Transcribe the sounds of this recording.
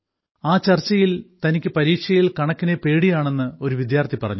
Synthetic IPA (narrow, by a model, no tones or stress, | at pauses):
aːt͡ɕɐrt͡ɕːɐjilt̪ɐnikʲːɨpɐɾiːkʂɐjilkɐɳɐkːinepe̞ːɽijaːɳe̞nːɨo̞ɾuʋid̪jaːrt̪ʰipɐrɐ̰ɲːu